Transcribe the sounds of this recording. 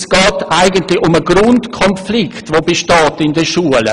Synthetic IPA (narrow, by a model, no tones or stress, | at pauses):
sɡ̥ɑːtaɪɡəntlɪʊməɡ̥ɾʊntkʰɔnflɪktʋobeʃtɑːtɪndəʃuələ̰